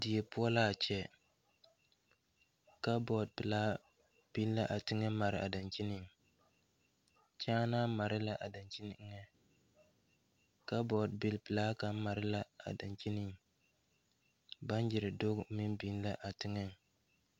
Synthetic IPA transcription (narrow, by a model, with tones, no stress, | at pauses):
dɪ˨jɛ˨pʊ˦ɔ˦la˦a˨t͡ʃɛ˦ | ka˦bɔ˨d̚pɪ˨laː˦ | b̥i˦n˦la˦ʔa˨tɪ˦ŋɛ˦ma˨ɾɪ˨ʔa̰˨da˨nt͡ʃi˦nɪ˨ŋ | t͡ʃaː˦naː˦ma˨ɾɪ˦la˦ʔa˨da˨nt͡ʃi˦n̩˦ŋɛ˦ | ka˦bɔ˨dbɪ˨lpɪ˨laː˦ka˦m̩˦ma˨ɾɪ˦la˦a̰˨da˨nt͡ʃi˦nɪ˦ŋ | ba˦n˦d͡ʒɪ˨ɾɪ˨do˦ɡmɪ˦nbi˦n˦la˦ʔa˨tɪ˦ŋɛ˦ŋ˨